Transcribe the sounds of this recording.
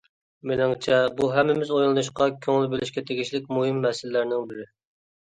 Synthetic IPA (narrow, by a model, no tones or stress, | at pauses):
menɪŋt͡ʃʰɛbuɦɛmːɪmɪzojlˠɨnuʃ̬qɑkʲʰøŋlybɪlɪʃkʲɛt̪ʰeɡʲiʃlɪkʲmuɦɨmːɛsɪlɪlæɾnɪŋbɪɾɪ